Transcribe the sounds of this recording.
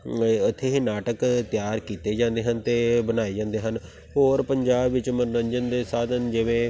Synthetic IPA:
ʊt̪ʰːeːɦiːnaːʈəkt̪jaːɾkiːt̪eːd͡ʒãːnd̪eːɦənt̪eːbənaːeːd͡ʒãːnd̪eːɦən | ɦoːɾpəɲd͡ʒaːbʋɪt͡ʃməɾnəɲd͡ʒənd̪eːsaːd̪ənd͡ʒɪʋẽː

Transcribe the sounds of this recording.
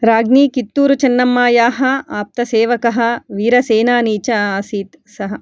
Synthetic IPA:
ɾaːɡniːkit̪ːuːɾut͡ʃɐnːɐmːaːjaːɦɐ̆aːp̚t̪ɐseːʋɐkɐɦɐ̆ʋiːɾɐseːnaːniːt͡ʃɐaːsiːt̪ | sɐɦɐ

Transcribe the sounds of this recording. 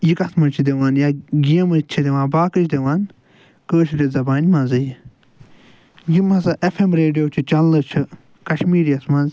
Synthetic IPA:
jikɐsʰmɐnt͡ʃʰid̪eʋaːnjaɡijɐmɐt͡ʃʰid̪eʋãːnbaːkɨt͡ʃʰd̪eʋaːn | kəːʃʰɾezɐbaːnʲmɐ̃nzɨj | jimɐzɐʔefʰemɾeːɖijoːt͡ʃʰit͡ʃɐlːɐt͡ʃʰi | kɐʃmiːɾjɐsmɐ̃nz

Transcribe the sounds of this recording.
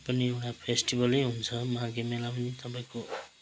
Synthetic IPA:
pʌnieʈapʰesʈibʌleɦunt͡sʰʌmʌɦãɡemelapʌnit̪ʌpaĩko

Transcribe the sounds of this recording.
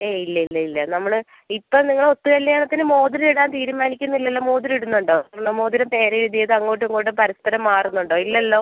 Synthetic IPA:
eːilːɐilːɐilːɐnɐmːɐɭɨ | ipːɐmniŋːɐɭo̞t̪ːuɣɐlːaːɳɐt̪ːinɨmo̞ːd̪iɾɐiɽaːnt̪iːɾumaːnikʲːunːilːɐlːo̞ːmo̞ːd̪iɾiɽunːuɳɖo̞ːɭːɐmo̞ːd̪iɾɐmt̪e̞ːɾɐɾiðijɐðɨɐŋːoːʈ̬ːɨɐŋːoːʈːɨpɐɾɐspɐɾɐmːaːrunːuɳɖo̞ːilːɐlːo̞ː

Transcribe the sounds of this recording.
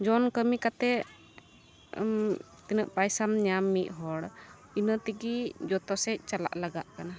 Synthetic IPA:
d͡ʒɔnkəmikat̪ɛ | t̪inəʔpajsamɲamːiʔ̚ˀɦɔɽ | inət̪iɡid͡ʒɔt̪ɔsɛc̚ˀt͡ʃala̰ʔlaɡa̰ʔkana

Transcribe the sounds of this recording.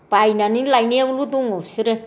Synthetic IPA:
pajnaninlajnewulud̪uŋosiɾe

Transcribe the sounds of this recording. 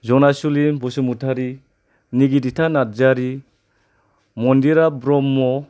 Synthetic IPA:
zɔnasulimbɔsumutʰaɾi | niɡiditʰanat̚zaɾi | mɔndiɾabɾɔmːɔ

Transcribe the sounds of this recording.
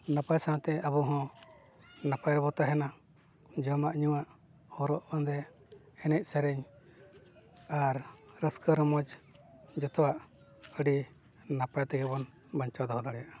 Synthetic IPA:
napajsãt̪ɛabuɦɔ̃ | napajɾbɔt̪aɦɛna | d͡ʒɔmaʔɲuwaʔ | hɔɾɔʔbɔnd̪ɛ | ɛnɛc̚ˀsɛɾɛɲ | aɾɾəskəɾmɔd͡ʒ | d͡ʒɔt̪ɔwaʔ | əɖi | napajt̪ɛɡɛbɔn | baɲt͡ʃad̪ɔhɔd̪aɽɛjaʔ

